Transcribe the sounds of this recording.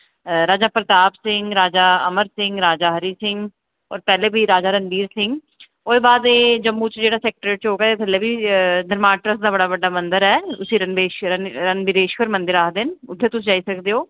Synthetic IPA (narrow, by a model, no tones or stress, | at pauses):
ɾaːd͡ʒaːpɾət̪aːpsɪŋɡɾaːd͡ʒaːəməɾsɪ̃ŋɡɾaːd͡ʒaːɦəɾiːsɪ̃ŋɡ | ɔ̰ːɾpɛːleːbʱiːɾaːd͡ʒaːɾənb̪iːɾsɪ̃ŋɡ | oːeːbaːd̪eːd͡ʒəmːuːt͡ʃd͡ʒeːɽaːsɛːk̚ʈəɾeːʈ̚t͡ʃɦoːɡaːeːbəleːbiːd̪əɾmaːʈɾəs̬d̪aːbəɽaːbəɖːaːmə̃nd̪əɾɛːʊsiːɾənbeːʃəɾənbɪɾeːʃkəɾmə̃nd̪ɪɾaːkd̪ɪnʊt̪ʰːeːt̪ʊsd͡ʒaːiːsəkd̪eːɦoː